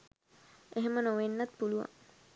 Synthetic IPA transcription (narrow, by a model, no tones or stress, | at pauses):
eɦemənoʋenːat̪puluʋa̰